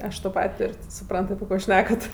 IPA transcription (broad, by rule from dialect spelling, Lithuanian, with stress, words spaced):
ˈɐʃ toː ˈpɐtʲ ˈtʊrʲ tʲɪ sʊˈprɐnt ɐpʲɪ ˈkoː ˈʃʲnʲæːkɐt